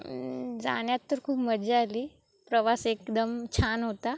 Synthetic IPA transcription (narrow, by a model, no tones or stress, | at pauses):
d͡za̰ɽ̃jat̪ːəɾkʰuːpməd͡ʑali | pɾəʋasekd̪əmt͡ɕʰanɦot̪a